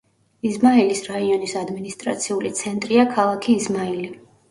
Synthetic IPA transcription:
izmailisɾaiɔnisad̪minist̪ʼɾa̰t̪sʰiulit̪sʰɛnt̪ʼɾiakʰalˠakʰiːzmaili

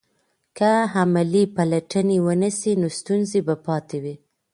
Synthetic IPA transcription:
kəɦamalipalaʈənewənisinost̪unzebapɑt̪ewi

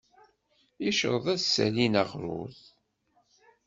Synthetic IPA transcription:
iʃə̰ɾðˤæðsːæ̰linaʁɾʊ̰ð

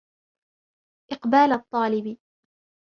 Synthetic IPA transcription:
ʔɪqbaːlat̪ˤːɑːlɪb

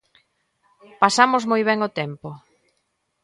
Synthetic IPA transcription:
pasamʊzmojβ̞ɛŋot̪ɛmpʊ

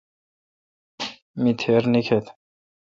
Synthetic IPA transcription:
mit̪ʰeːɾnikʰet̪

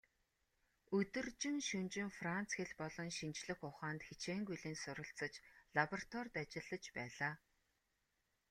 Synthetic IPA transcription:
ɵt̪ɵ̆rt͡ɕɪ̆ŋʃɵnt͡ɕɪ̆ŋfran̥t͡sxeɮpɔɮɞ̆nʃint͡ɕɮɘ̆xʊχaːnt̪xet͡ɕeːŋɡujɮeːnsʊɾə̆ɬt͡sə̆t͡ɕɮapɔrt̪wɔrʲt̪at͡ɕɪ̆ɮə̆t͡ɕpæːɮaː

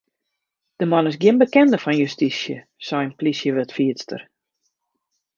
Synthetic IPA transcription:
d̥əmɔnɪsɡjɪnbəkɛndəfɔnjystisjə̰ | sɛjənplisjəʋɪtfiətstə̰r

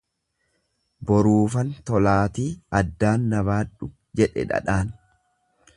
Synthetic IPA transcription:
bɔɾuːfɐnt̪ɔlaːt̪iːɐd̪ːaːnːɐβaːᶑʊ | d͡ʒɛᶑɛ̰ᶑɐ̰ᶑaːn

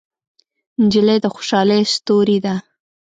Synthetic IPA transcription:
nd͡ʒiləjd̪əxo̥ʃɑləjst̪oɾid̪a

